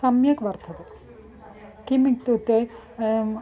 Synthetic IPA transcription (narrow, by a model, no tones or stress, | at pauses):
sɐmjɐkʋɐɾt̪ʰɐt̪e | kimik̚t̪ut̪e